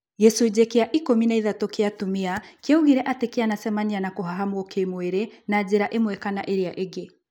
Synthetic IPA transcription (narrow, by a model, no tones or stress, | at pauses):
jɛsoed͡ʑɛkeaʔikominaiðatɔkeatumiakeauɣiɾɛʔatekeanasɛmanianakoɦaɦamookemweɾenad͡ʑeɾaʔemwɛkanaʔeɾeaʔeɡe